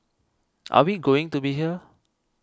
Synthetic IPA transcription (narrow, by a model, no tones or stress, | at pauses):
ʔa̰wiɡoɪ̃ŋtubiɦiə